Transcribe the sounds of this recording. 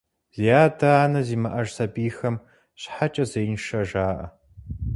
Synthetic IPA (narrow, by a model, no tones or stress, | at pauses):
z̥ijaːdɐaːnɐziːmɐʔɐʒsɐbiːxɐm | ɕħat͡ʃʼɐzɐjnʂɐʒaːʔɐ̰